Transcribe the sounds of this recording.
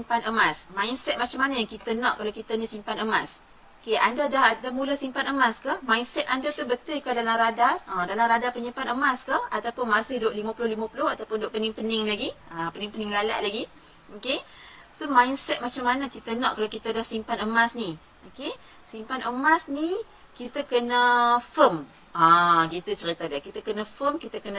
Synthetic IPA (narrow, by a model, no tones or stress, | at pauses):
mpanəmasmãinsɛt̪̚mat͡ʃamanajaŋkit̪ənɔ̃ʔkːalawkit̪anisimpanəmas | okeandadahdahmulasimpanəmaskahmainsɛt̪̚andat̪ubət̪ʊjkadalamɾadarədalaɾadapəɲimpanəmaskahat̪awpʊnmasɪhdoʔlimãpulʊhlimapulʊhat̪awpʊndoʔpənɪŋpənɪŋlaɡiapənɪŋpənɪŋlala̰ʔlaɡi | oke | somainsɛt̪̚mat͡ʃamːanakit̪ənɔʔkalawkit̪adasimpanəmasni | oke | simpanəmasni | kit̪akənəfəm | ãkit̪ut͡ʃəɾit̪adakit̪akənəfəmkit̪akənə